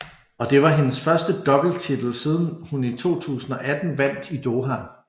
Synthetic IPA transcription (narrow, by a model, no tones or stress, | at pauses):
ɒ̽d̥e̝ʋɑ̈ɦe̝nəsfɶɐsd̥əd̥ɒ̽b̥l̩t͡sʰid̥l̩siːð̞ˠn̩hunit͡sʰo̝̰ːt͡sʰṵːsn̩ɒ̽ʔæd̥n̩ʋæn̰d̥id̥o̝ːɦæ